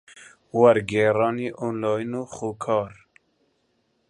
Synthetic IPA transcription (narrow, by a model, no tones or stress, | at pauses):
wɐɾɡɛːɾɑːniːʔonlɑːinuːxoːkʰɑːɾ